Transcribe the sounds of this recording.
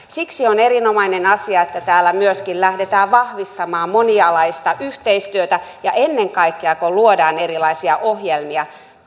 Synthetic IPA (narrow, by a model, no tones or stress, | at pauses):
siksioneɾinomɑinenɑsiɑet̪ːæt̪æːlːˑæmyøskillæhdet̪æːʋʋɑhʋist̪ɑmɑːmmoniɑlɑist̪ɑʔyht̪eist̪yøt̪æjɑʔenːeŋkɑikːeɑkoluodɑːneɾilɑisiɑʔohjelmiɑ